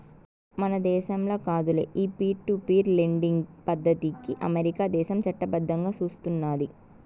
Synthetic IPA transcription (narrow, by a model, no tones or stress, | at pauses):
mɐnɐd̪ɛːʃɐmloːkaːd̪ulḛːʔiːpiːʈupiːɾleɳɖiŋɡpɐd̪ʱːɐt̪ikiʔɐ̰meɾikaːd̪ɛːʃɐmt͡ʃɐʈːɐbɐd̪ʱːɐŋɡaːt͡ʃuːst̪unːaːd̪i